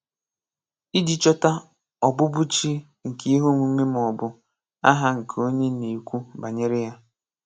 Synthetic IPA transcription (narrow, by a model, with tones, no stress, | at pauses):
i˦di˦t͡ʃɔ˦ta˦ | ɔ˨bʊ˦bʊ˦t͡ʃi˦ | ŋ̩˨ke˦i˦ɦo˦ŋʷu˨˦ŋʷe˦m˨ɔ˨bʊ˦ | a̰˦ɦa˦ŋ̩˨kʰo˦ɲe˦ne˨kʷu˦ba˨ɲe˦ɾɪ˦ja˦